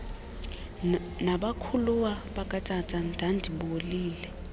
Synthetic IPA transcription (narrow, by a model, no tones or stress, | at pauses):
naɓakʰuluwaɓakʼatʼatʼandʱandʱiɓoliːlɛ